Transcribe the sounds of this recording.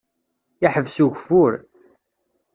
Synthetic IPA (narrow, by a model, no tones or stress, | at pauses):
aħəvsuʝfʊɾ